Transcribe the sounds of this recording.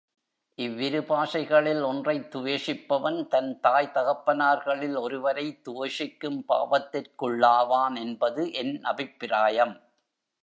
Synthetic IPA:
ʔɪʋːɪɾɯpaːʂɐɪɣɐɭɪlɔndrɐɪt̪ːʊʋeːʂɪpːɐʋɐnt̪ɐnt̪aːjt̪ɐɣɐpːɐnaːɾɣɐɭɪlɔɾɯʋɐɾɐɪt̪ːʊʋɐʂɪkːɯmpa̰ːʋɐt̪ːɪrkɯɭːaːʋaːnɛnbɐðɯʔɛnnɐbɪpːɪɾaːjɐm

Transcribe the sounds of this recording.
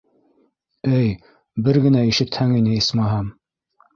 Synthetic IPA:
ɘj | bɘɾɡɘ̆næiʃɘ̆t̪hæŋinɘismɑɦɑm

